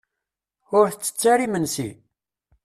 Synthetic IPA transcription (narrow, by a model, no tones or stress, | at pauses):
ʊɾθt͡sːə̥t͡sːaɾimənsḭ